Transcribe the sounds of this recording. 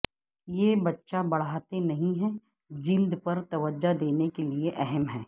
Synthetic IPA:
jebɐtːʃabɐɽ̤aːt̪enɐɦĩɦɛ | d͡ʒiːld̪pɐɾt̪ɐʋəd͡ʒad̪eːnekelieʔɛɦɛmɦɛː

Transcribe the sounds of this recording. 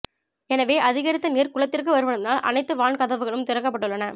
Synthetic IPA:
ɛnɐʋeːʔɐðɪɣɐɾɪt̪ːɐniːɾkʊɭɐt̪ːɪrkɯʋɐɾɯʋɐɳɯmnaːlʔɐ̰nɐɪt̪ːɯʋaːɳkɐðɐʋɯɣɐɭɯmt̪ɪɾɐkːɐpːɐʈːɯɭːɐnɐ

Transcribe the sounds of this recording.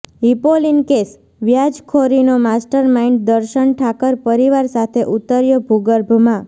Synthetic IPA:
ipolinkes | ʋjad͡ʒkʰoɾinomasʈəɾmaiɳɖd̪əɾʃəɳʈʰakəɾpəɾiʋaɾsat̪ʰeʔut̪ːəɾjobʱuɡəɾbʱmã

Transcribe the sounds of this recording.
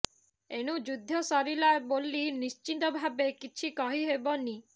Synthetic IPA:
eɽ̃ud͡ʒud̪ʱːɔsɔɾilaebolinist͡ʃit̪ɔbʱabekit͡ʃʰikɔɦiɦebɔni

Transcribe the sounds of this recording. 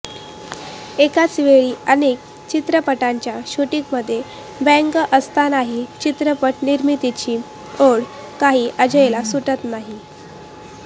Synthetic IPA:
ekat͡sʋeɭiːənek̚ | t͡ɕit̪ɾəpəʈaɲt͡ɕjaɕuʈikməd̪ʱːje | bɛ̃ŋkʔəst̪anaɦit͡ɕit̪ɾəpəʈniɾmit̪it͡ɕiː | oɽ | kaɦiːʔəd͡ʑəjlasuʈət̪naɦi

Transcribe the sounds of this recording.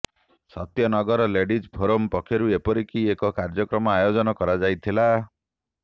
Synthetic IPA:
sɔt̪jɔnɔɡɔɾɔleɖid͡ʒbʰʱoɾompɔkʰjɔɾuepɔɾikiekɔkaɾd͡ʒɔkɾɔmɔajod͡ʒɔnɔkɔɾad͡ʒajt̪ʰila

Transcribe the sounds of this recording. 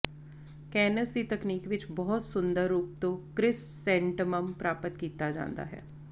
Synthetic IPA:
kɛːnəsd̪iːt̪əkniːkʋɪt͡ʃbɔːt̪sʊnd̪əɾːuːp̚t̪õːkɾɪssɛ̃ːɳʈəməmpɾaːpət̪kiːt̪ad͡ʒã̰ːnd̪a̰ːɦɛ̰ː

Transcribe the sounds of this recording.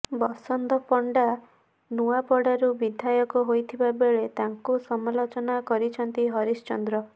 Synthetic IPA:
bɔsɔnd̪ɔpɔɳɖa | nuapɔɽaɾubid̪ʱajɔkɔɦojt̪ʰibabeɭet̪aŋkusɔmalot͡ʃɔnakɔɾit͡ʃʰɔnt̪iɦɔɾist͡ʃɔnd̪ɾɔ

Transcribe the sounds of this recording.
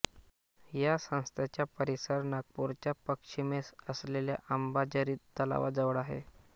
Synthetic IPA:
jasə̃w̃st̪ʰjat͡ɕjapəɾisəɾnak̚puɾt͡ɕjapəkʂimesəslelja̰ʔəmbad͡ʑəɾiːt̪ːəla̰ʋad͡zəʋəɽaɦḛ

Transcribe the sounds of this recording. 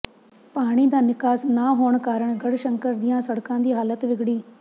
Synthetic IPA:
paːɽ̃iːd̪aːnɪkaːsnaːɦoːɳkaːɾəɳɡəɽʃəŋkəɾd̪ɪjãːsəɽkãːd̪iːɦaːlət̪ʋɪɡɽiː

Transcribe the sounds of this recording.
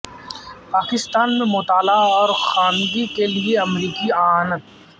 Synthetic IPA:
paːkɪst̪aːnmẽmʊt̪aːlaɔːɾxaːnɡikelieɐmɾiːkiaːnət̪̚

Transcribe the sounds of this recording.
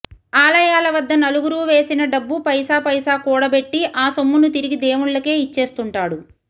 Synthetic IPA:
aːlɐjaːlɐʋɐd̪ːɐnɐluɡuɾuːʋe̞ːsinɐɖɐbːupɐjsaːpɐjsaːkuːɽɐbe̞ʈːiʔaːsomːunut̪̬iɾiɡid̪eːmuɭːɐke̞ːit͡ʃːe̞ːst̪uɳʈaːɽu

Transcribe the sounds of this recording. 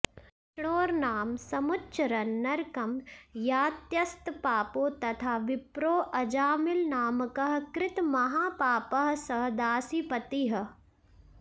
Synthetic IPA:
ʃɽoːɾnaːmsɐmʊtːʃʰɾɐnːɐɾkɐmjaːt̪jɐst̪paːpoːt̪ɐt̪ʰaːʋɪpɾoːʔɐd͡ʒaːmɪlnaːmkɐɦkɾɪt̪mɐɦaːpaːpɐɦsɐɦd̪aːsipɐt̪iɦ

